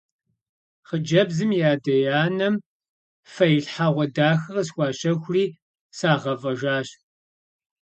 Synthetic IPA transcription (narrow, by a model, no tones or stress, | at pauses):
χəd͡ʒɐbzɨmjaːdɐjaːnɐm | fɐjɬħaʁʷɔdaːxɐrɐsxʷɑːɕɐxʷriː | saːʁɐvɐʒaːɕ